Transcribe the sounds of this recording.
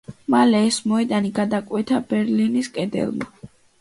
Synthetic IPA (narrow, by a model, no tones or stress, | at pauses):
malɛːsmɔɛd̪aniɡad̪akʼwɛt̪ʰabɛɾliniskʼɛd̪ɛ̰lˠma̰